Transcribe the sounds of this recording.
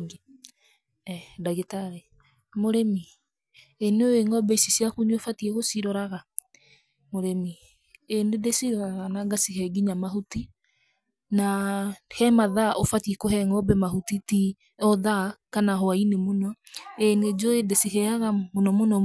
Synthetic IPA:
ŋɡe | daɣetaɾe | moɾemi | eneoeŋɔbɛisisiakuɲofatieɣosiɾɔɾaɣa | moɾemi | enedesiɾɔɾaɣanaŋɡasiɦɛɡiɲamaɦuti | nahɛmaðaʔofatiekohɛŋɔbɛmahutiti | ɔðakanaɦɔainemonɔ | ened͡ʒoedesiɦɛaɣamonɔmonɔ

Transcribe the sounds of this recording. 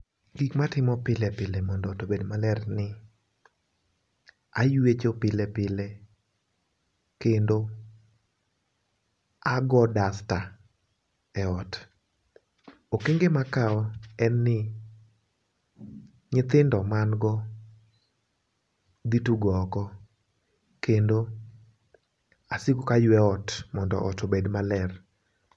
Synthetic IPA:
ɡikmatɪmɔpɪlɛpɪlemɔndɔtobedmalɛrnɪ | ajwet͡ʃopɪlepɪle | kendo | aɡɔdasta | ɛɔt | okeŋɡemakaɔɛnːɪ | ɲɪt̪ɪndɔmanɡɔ | d̪ituɡɔkɔ | kendo | asɪkokajwɛɔtmɔndɔ̰ʔɔtobedmalɛr

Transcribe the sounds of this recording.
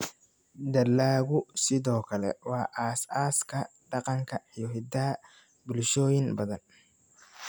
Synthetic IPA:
d̪ɐlːaːɣʊsɪðɔːkʰɐlɛ̰wɑːʔaːsaːskʰɐ | ɖɑqɑŋkʰɐijɔɦɪd̪ɐ | bʊlʃɔːjɪnbɐðɐn

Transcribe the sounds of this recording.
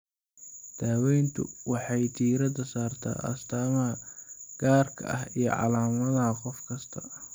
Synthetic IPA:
d̪̥aːwɛjnt̪ʰʊ̰wɑħɑjt̪ʰiːɾɐd̪ɐsaːrt̪ʰa̰ːʔɐ̰st̪ʰaːmɐhɐɡ̥aːrkʰɐ̰ʔɐɦijɞ̰ʕɑ̰laːmɐðɐɦɐqɔfkʰɐst̪ʰɐ

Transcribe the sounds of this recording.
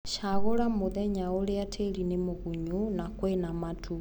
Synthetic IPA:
ʃaɣoɾamoðɛɲaoleatʰelinemoɣuɲunakwenamatʰu

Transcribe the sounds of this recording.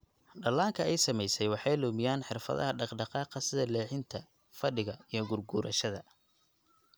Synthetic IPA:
ɖɐlaːŋkʰɐɛjsɐmɛjsɛjwɑħɑjlʊːmɪjaːnħɪrfɐ̰ðɐ̰ɦɐɖɑqɖɑqɑːqɑsɪðɐlɛːħɪnt̪ʰɐ | fɐɖɪɣɐijɞɡʊrɡʊːɾʔɐʃɐðɐ

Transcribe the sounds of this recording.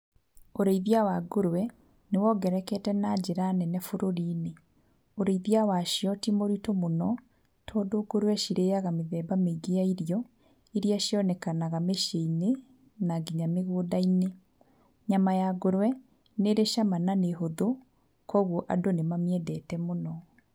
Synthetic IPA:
oɾeiðiawaɡoɾwɛ | newɔɡɛɾɛkɛtɛnad͡ʒeɾanɛnɛfoɾoɾiːne | oɾeiðiawaʃiɔtimoɾitomonɔ | tʰɔdoɡoɾwɛʃiɾejaɣameðɛːbameɡejaiɾjɔ | eɾiaʃiɔnɛkanaɣameʃeine | naɡiɲameɣoːdaine | ɲamajaɡoɾwɛ | neɾeʃamananeɦoðo | kʰɔɣoʔa̰donemamiɛdɛtɛmonɔ

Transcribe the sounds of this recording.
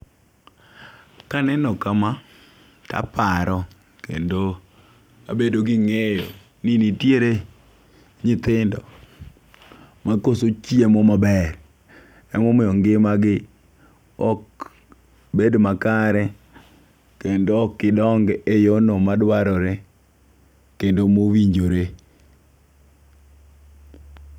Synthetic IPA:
kanɛnɔkama | ta̰pʰaɾɔ | kḛndo | a̰bedoɡɪŋejo | ninitjeɾe | ɲɪt̪ɪndɔ̰ | makosot͡ʃiemɔmabɛr | ɛmɔmɪɔŋɡɪmaɡɪ | ɔk | bedmakaɾɛ | kendoːkːɪdɔŋɡejonomadwaɾɔɾɛ | kendomowiɲd͡ʒoɾe

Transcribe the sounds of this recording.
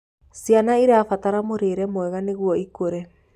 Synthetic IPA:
sjanaiɾeafataɾamoɾeːɾɛmwɛɣaneɣwɔikoɾe

